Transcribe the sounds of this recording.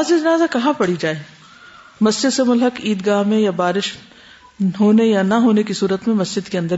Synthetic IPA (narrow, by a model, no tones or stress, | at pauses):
azid͡ʒɐnaːzakɐɦãpɐɽid͡ʒaːe | mɐsd͡ʒɪd̪semʊlɦəkiːd̪ɡaːɦmẽjabaːɾɪʃ | ɦoːnejanɐɦoːnekisuːɾət̪mẽmɐsd͡ʒɪd̪keɐ̃nd̪əɾ